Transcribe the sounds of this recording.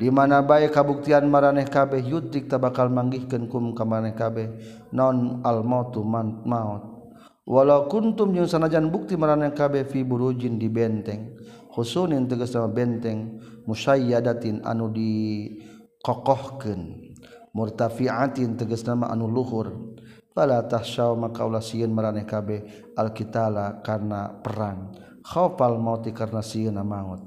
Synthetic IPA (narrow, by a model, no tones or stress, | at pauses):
dimanabaɛkabuk̚t̪ianmaɾanɛhkabɛhjut̪ɾik̚t̪abakalmaŋɡihkənkumkamaɾanɛhkabɛh | naɔnalmat̪ːumat̪̚maɔt̪̚ | wʔalaukunt̪umd͡ʒəŋsanad͡ʒanbuk̚t̪imaɾanɛhkabɛhfibuɾud͡ʒindibɛnt̪ɛŋ | husunint̪əɡəsnamabɛnt̪ɛŋmuʃajadat̪ina̰nudi | kɔkɔhkɨn | murt̪afiat̪int̪əɡəsnamaʔa̰nuluɦur | kalat̪ahʃaumakaulasiənmaɾanɛkabɛ | alkit̪alakarnapəɾan | xɔfalmaut̪ikarnasiənamaŋut̪̚